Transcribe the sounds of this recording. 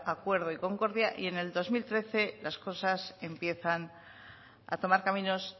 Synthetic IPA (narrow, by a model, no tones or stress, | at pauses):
akwe̞ɾð̞oiko̞ŋko̞ɾðjaʔie̞ne̞ld̪o̞zmilt̪ɾe̞θe̞lasko̞sase̞mpje̞θan | a̰t̪o̞maɾkamĩno̞s